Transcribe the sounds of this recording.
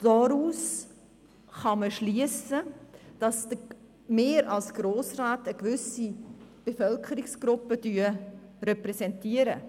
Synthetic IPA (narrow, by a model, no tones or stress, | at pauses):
d̥ɔɾuːs | χɑməʃliəsəd̥ɑsdə | meːɾɑlsɡ̥ɾoːsraːtəɡvʏsib̥efœlkʰəɾɪksɡ̥ɾʊpːəd̥yːɾɛpɾɛsɛntiəɾə